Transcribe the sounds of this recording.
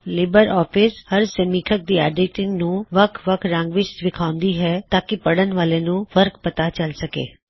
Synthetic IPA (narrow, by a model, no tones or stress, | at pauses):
lɪbəɾɔːpʰɪshəɾsəmiːkʰək̚d̪iːa̰ːɖeːʈɪ̃ŋɡnũʋəkʰʋəkʰɾə̃ŋɡʋɪt͡ʃʋɪkʰaːʊ̃nd̪iɦɛːt̪aːkipɐɽənʋaːlenũʋəɾkpɐt̪at͡ʃɐlsɐkḛː